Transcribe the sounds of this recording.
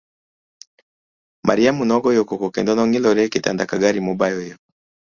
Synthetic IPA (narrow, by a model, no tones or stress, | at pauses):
mʔa̰ɾiamunɔɡɔjɔkɔkɔkɛndɔnɔŋilɔɾɛkita̰ndakaɡaɾimɔbajɔjɔ